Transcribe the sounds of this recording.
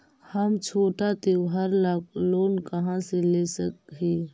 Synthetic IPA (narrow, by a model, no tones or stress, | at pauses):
həmt͡ʃʰoːʈat̪eɦəɾlaːkloːnkɐɦãseleːsək̚ɦeː